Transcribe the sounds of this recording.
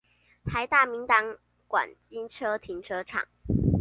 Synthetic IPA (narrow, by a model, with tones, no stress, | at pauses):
t̪ʰa˧˥ɪt̪a˥˨mi˨˥ŋt̪ɑ˧˥ŋ | kwa̰˨˩nt͡ɕi˥ŋʈ͡ʂʰɤ˥t̪ʰi˧˥ŋʈ͡ʂʰɤ˥ʈ͡ʂʰɑ̰˨˩˦ŋ